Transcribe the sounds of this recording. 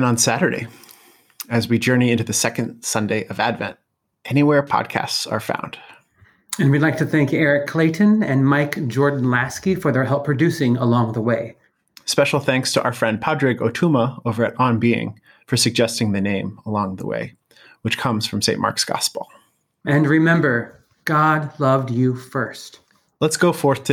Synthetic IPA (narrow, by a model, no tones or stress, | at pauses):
nə̃nsæɾə˞ɾḛɪ | ɨzwid͡ʒɜ˞niɪ̃ntʉðɨsɛkɨ̃nd̥sʌ̃ndeɪʔʌvædvɛ̰̃nt̚ | ʔɛniwɛɹpʰɑ̰d̚kʰæ̰stsə̰˞fã̰ʊ̃nd̥ | ɨ̃nwilaɪk̚tʰɨθæ̃ŋkɛɹɨkʰːl̥eɪʔɨ̃nɨ̃nmaɪkd͡ʒɔɹdⁿn̩læskifə˞ðə˞ɦɛlˠpʰɹ̥ɨdʉsɪ̃ŋəlɔ̃ŋðəweɪ | spɛʃl̩ˠθæ̃ŋkstʰəʔaʊə˞fɹɛ̃nd̚pʰɑdɹɪɡoʊtʰuməoʊvə˞ɨɾə̃nbiɪ̰̃ŋ | fə˞sɨɡ̚d͡ʒɛstɪ̃ŋðɨnẽɪ̃məlɔ̃ŋðə̰wḛɪ | wɨt͡ʃkʰʌ̃mz̥fɹʌ̃msẽɪ̃nʔmɑ̰ɹksɡ̥ɑ̰spl̩ˠ | ʔɨ̃nɹɨmɛ̃mbə˞ | ɡ̥ɑdlʌvdjufɜ˞st | lətsɡ̥oʊfɔɹθtʰɨ